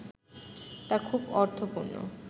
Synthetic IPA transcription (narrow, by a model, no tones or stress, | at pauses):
t̪akʰubɔɾt̪ʰopuɾno̰